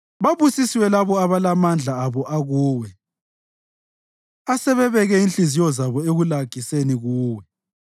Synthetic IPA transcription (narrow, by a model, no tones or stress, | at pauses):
βaβusisiwɛlaβɔaβalamand͡ɮʱaːβɔʔaɣuːwɛ | asɛβɛβɛɣɛinɬizijɔzaβɔeɣulaɡ̥ʱiseniɣuːwɛ